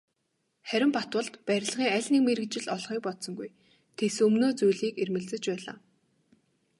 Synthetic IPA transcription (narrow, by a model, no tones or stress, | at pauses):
χæɾʲɪ̆mpat̪wə̆ɮt̪pæɾʲɪ̆ɮʁiːŋæɮʲniːk̚meɾɘ̆kt͡ɕɪ̆ɮɔɮχiːk̚pɔt̪sɞ̆ŋɡuj | t̪ʰesɵmnoːt͡sujɮiːkermɘ̆ɮt͡sɘ̆t͡ɕpæːɮa̰ː